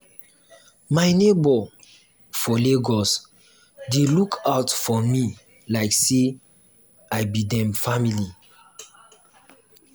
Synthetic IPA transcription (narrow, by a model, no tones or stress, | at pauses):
maɪnebɔ | fɔleɡɔs | delukʰaʊtfɔmi | laɪkse | aɪbidɛ̃mfamili